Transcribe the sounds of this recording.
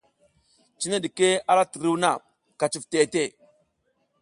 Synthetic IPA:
t͡ʃi˦na˦ɗi˨ke˦a˦la˦ti˨ɾi˦wna˦˨ | ka˨t͡ʃi˨fte˨te˦˨

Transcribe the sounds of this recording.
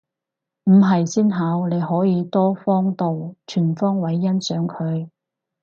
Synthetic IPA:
m̩˨˩ɦɐ˨jsiː˥nɦaː˨˧wne˨˧jɦɔː˨˥jiː˨˧t̪ɔː˥fɔː˥ŋt̪o˨wt͡ʃʰyː˨˩nfɔː˥ŋwɐ˨˥jːɐ˥nsœː˨˥ŋkʰɵ˨˧ɥ

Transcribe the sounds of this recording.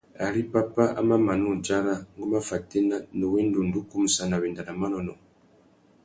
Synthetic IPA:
a˨ɾi˦pa˦pa˦a̰˦ma˦ma˨nu˦˨d͡ʒa˦ɾa˦ŋ˦ɡu˦ma˦fa˨te˦na˦nə˨we˦n˦du˨n˨du˦ku˦m˨sa˦na˨βi˨nda˨na˨ma˦nɔ˨nɔ˨

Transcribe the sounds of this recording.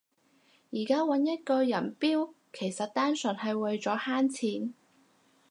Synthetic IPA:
jiː˨˩kaː˥wɐ˨˥njɐ˥t̚kɔː˧jɐ˨˩npiː˥w | kʰe˨˩jsɐ˨t̚t̪aː˥nsɵ˨˩nhɐ˨jwɐ˨jt͡sɔː˨˥haː˥nt͡sʰiː˨˥n

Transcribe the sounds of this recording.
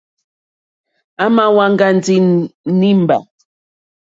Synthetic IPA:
a˦ma˦wa˦ŋ˦ɡa˦n˨d͡zi˦ni˦m˨ba̰˨

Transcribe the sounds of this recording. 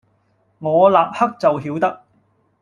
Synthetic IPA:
ŋɔː˨˧laː˨k̚hɐ˥k̚t͡sɐ˨wɦiː˨˥wt̪ɐ˥k̚

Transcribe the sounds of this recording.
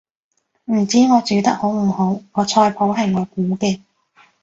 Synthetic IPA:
m̩˨˩t͡siː˨˥ŋɔː˨˧t͡syː˨˧t̪ɐ˥k̚ho˨˥wm̩˨˩ho˨˥wŋɔː˨˧t͡sʰɔː˧jpʰo˨˧˥wɦɐ˨jŋɔː˨˧kuː˨˥kɛː˧

